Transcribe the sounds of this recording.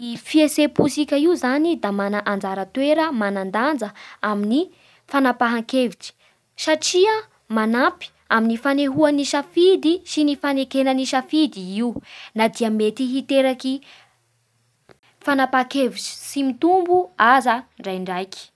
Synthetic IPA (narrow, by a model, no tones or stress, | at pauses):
ifiesepusikʲəiuzanid̪amanaʔand͡zaɾət̪weɾəmanand̪and͡zəamini | fanapaɦaŋkeviʈ͡ʂi̥ | saʈ͡ʂiə | manapi̥ | aminifaneɦuaniʃafid̪isinifanekenaniʃafid̪iiunad̪iəmet̪iɦit̪eɾaki | fanapakeviʈ͡ʂi̥simit̪umbuazaɳɖ͡ʐajɳɖ͡ʐajki̥